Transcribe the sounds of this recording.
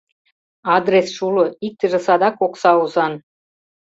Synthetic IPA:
ɑd̪resʃuloik̚t̪ə̆ʒĕsɑd̪ɑkoksɑuzɑn

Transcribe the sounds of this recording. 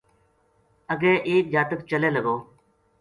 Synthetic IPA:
əɡẽːʔeːk̚d͡ʒaːt̪ək̚t͡ʃəleːləɡoː

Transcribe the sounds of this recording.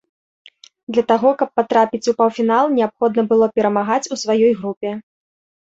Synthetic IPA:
d̪lʲɐt̪aɣɔkɐpːat̪ɾapʲit͡sʲupɐwfʲinalˠnʲɛapxɔd̪nɐbɨlˠɔpʲɛɾɐmaɣat͡sʲusvajɔjɣɾupʲɛ

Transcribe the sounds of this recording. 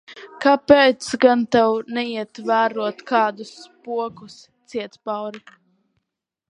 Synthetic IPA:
kapɛːt̪sɡant̪ɛwnɛiɛt̪væːɾuɔt̪kaːd̪uspuɔkus | t̪siɛt̪spawɾi

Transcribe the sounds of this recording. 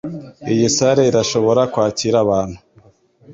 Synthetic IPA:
ijisaɾeiɾaʃo̞βo̞ɾakwaːciɾaβaːn̥hu

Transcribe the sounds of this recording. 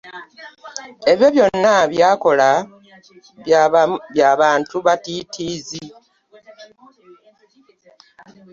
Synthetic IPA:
e̞βjo̞βjo̞nːaβjaːko̞la | jaβaːntuβatitʰiːzi

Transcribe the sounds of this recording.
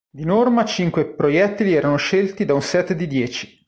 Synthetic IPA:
d̪inormat͡ʃiŋkwepɾojɛt̪ːiliɛːɾanoʃelt̪id̪aunsɛt̪ːd̪id̪jɛːt͡ʃi̥

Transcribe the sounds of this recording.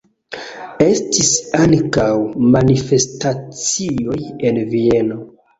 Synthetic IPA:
e̞stisaŋkawmanife̞stat͡sio̞je̞nvie̞no̞

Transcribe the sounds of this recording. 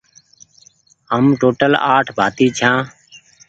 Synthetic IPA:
ɦəmʈoːʈəla̰ːʈʰbʱaːt̪iːt͡ʃʰãː

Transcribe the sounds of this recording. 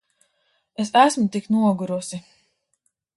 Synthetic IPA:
es̬æsmut̪iknuɔɡuɾusi

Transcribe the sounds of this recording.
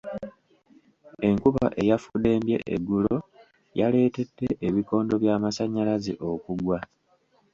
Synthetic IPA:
e̞ŋkuβa̰ʔe̞jafude̞ːmbje̞̰ʔḛɡːulo̞ | jale̞ːte̞d̥ːe̞ʔːβiko̞ːndo̞βjaːmasaɲːalazḭʔo̞kuɡwa

